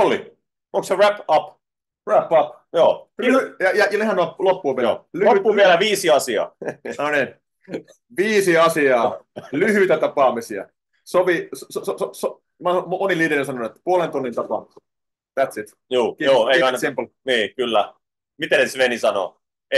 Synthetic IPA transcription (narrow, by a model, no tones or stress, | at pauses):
olḭ | oŋkseræpɑp | ræpːɑp | joːjɑjɑjɑnehænoɑpːlopːuɑʋio̰lyloyt̪ːʋiælæʋiːsiɑsiɑ̰ːnnonin | ʋiːsiɑsiɑːlyhyt̪æt̪ɑpɑˑmisiɑ̰ | sopissosooso | mɑomoniliːdeesɑnoet̪ːpuolent̪unːint̪ɑpɑ̰ˑms | t̪æt̪sit̪ | juːkijoːeiɑnsimplniːkylːæ | mit̪enesʋenisɑno̰ | e